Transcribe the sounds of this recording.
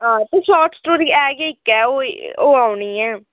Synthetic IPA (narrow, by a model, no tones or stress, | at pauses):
ɦãːt̪eːslɔːʈsʈoːɾiːɛːɡeɪkːɛːoːoːaːʊniːɛː